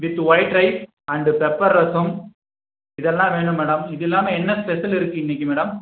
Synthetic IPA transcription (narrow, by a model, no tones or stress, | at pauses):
ʋɪt̪ːʋɐɪʈɾɐɪp | ɐɳɖɯpɛpːɐɾːɐsɐm | ɪðɛlːãːʋeːɳɯmːɛːɽɐmɪðɪlːaːmɐɛnːɐspɛsɐlɪɾɯkːɯɪnːɪkʲːɯmɛːɽɐm